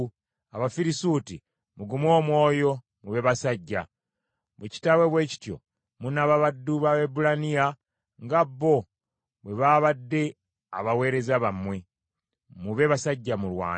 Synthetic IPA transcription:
aβafiɾisuti | muɡumo̞ːmwo̞ːjo̞ | muβe̞βasaɟːa̰ | βweci̥tawe̞βwe̞ːci̥tjo̞̰ | munaβaβadːuβaebulania | ŋɡabːo̞ | βwe̞βaːβadːe̞ | a̰βawe̞ːɾe̞zaβamwe̞ | muβe̞βasaɟːamulwa̰ː

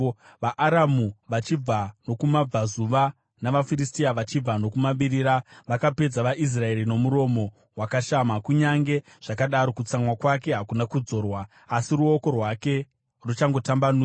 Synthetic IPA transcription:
ʋaʔaɾamuʋat͡ʃib͡vano̞kumab͡vazuʋa | naʋafiristiaʋat͡ʃib͡vano̞kumaɓiɾiːɾaʋakape̞d͡zaʋaʔis̬rae̞ɾino̞muɾo̞mo̞ | wakaʃamakuɲaŋɡe̞ | ʐ̥akaɗaɾo̞kut͡samwakwak̬e̞ɦakunakud͡zo̞ːrwaː | siruoko̞rwake̞ | rut͡ʃaŋɡo̞tambanuː

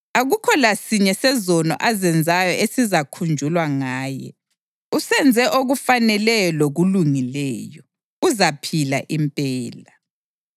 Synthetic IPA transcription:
aɣukʰɔlasiɲɛsɛzɔnɔ̰ʔazɛnd͡zʱajɔʔesizakʰund͡ʒʱulwaŋaːjɛ̰ | usɛnd͡zʱɛʔoɣufanɛlɛjɔloɣuluŋilɛːjɔ | uzapʰila̰ʔimpʼɛːla

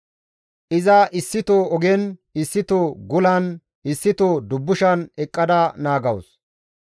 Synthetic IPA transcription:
ʔɪzɐʔɪsːɪt̪oɔɡɛnɪsːɪt̪oɡʊlɐn | ɪsːɪt̪od̪ʊbːʊʃɐnɛkʼːɐd̪ɐnaːɡɐws

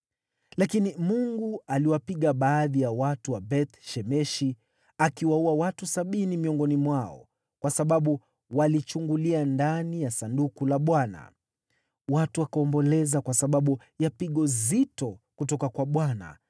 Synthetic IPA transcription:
lakinimuŋɡualiwapiɠaɓaːðijawatuwabɛt̪ʃɛmɛʃi | akiwauawatusaɓinimiɔŋɡɔnimwaɔ̰ | kwasaɓaɓu | walit͡ʃuŋɡuliandanijasandukulaɓwana̰ | watuwakaɔmbɔlɛzakwasaɓaɓu | japiɠɔzitɔkutɔkakwaɓwana̰

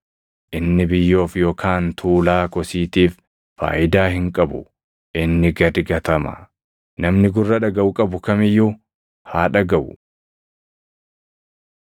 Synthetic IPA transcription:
ʔɪnːɪbɪjːo̞ːfjo̞ːkʰaːnt̪ʰuːlaːkɔsiːt̪iːfː | a̰ːʔɪd̪aːhɪŋkʼɐbʊ̰ | ʔɪnːɪɡɐd̪ɪɡɐt̪ɐmɐ̰ | nɐmnɪɡʊrːɐᶑɐɡɐʔʊkʼɐbʊkɐmɪjːʊ | haːᶑɐɡɐʔʊ̰

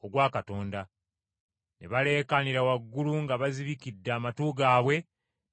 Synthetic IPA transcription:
oɡwaːkato̞ːnda | nʔeβale̞ːkaniɾawaɡːuluŋɡaβaziβikidːaːmatuɡaːβwe̞

